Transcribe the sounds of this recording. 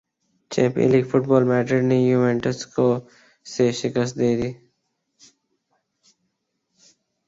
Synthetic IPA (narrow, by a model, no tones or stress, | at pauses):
t͡ʃɛ̰̃ːmpḭ̃nlikfʰʊʈ̚bɔːlmɛːʈəɖnejuʋẽːɳʈəsko | seʃɪkəst̪̚d̪eːd̪iː